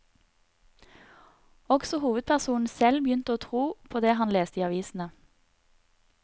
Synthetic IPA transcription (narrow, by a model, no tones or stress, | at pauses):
ɔɡsɔhuːʋəd̪̚pʰæʁsuːn̩sɛlbjʏnt̪əoːt̪ʰʁuːpʰoːd̪eːɦɑnleːst̪əiːɑʋiːsn̩ə